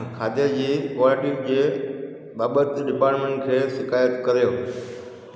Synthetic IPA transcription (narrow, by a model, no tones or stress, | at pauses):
kʰaːd̪ed͡ʑiːkaːleʈiːɾd͡ʑeː | ɓaːɓət̪ɖɪpaːɾʈmẽːɳʈkʰeːʃɪkaːjət̪kɐɾjoː